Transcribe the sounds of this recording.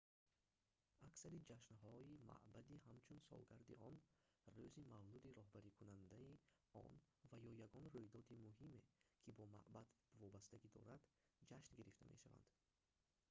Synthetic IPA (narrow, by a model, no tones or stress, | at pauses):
aksaɾid͡ʒaʃnɦɔima̰ʔbad̪iɦamt͡ʃʰunsɔ̰lɡaɾd̪iɔnrøzimavlud̪iɾɔhbaɾikʰunand̪ai | ɔ̰n | vajɔjaɡɔnrujd̪ɔd̪imuɦime̞kʰibɔma̰ʔbad̪ | vɔbast̪aɡid̪ɔ̰ɾad̪ | d͡ʒaʃnɡiɾift̪a̰mʔe̞̰ʃava̰nd̪̥